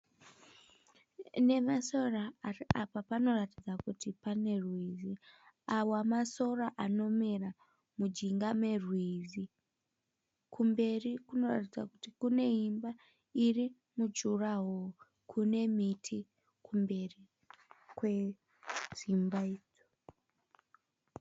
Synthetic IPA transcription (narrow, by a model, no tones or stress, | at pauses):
ne̞masoraiapapano̞ratid͡zakutipane̞rwizi | awamaso̞raʔano̞mera | mud͡ʒiŋɡame̞rwizi | kumbe̞rikuno̞ra̰tid͡za̰kutikune̞imba | iri | mud͡ʒuraɦo | kʰune̞mitʰi | kumbe̞ri | kwe̞ | d͡zimbaeːd͡zo